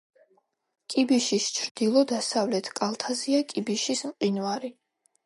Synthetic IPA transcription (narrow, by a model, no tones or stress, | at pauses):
kʼibiʃist͡ʃʰɾd̪̥ilˠɔd̪asavlɛt̪ʰkʼalˠt̪ʰaziakʼibiʃismqʼinvaɾi